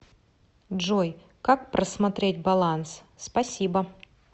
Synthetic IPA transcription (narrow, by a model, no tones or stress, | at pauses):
dʐoj | kak̚pɾrʔəsmɐt̪ɾʲet̚ʲbɐlˠans | spɐsʲibə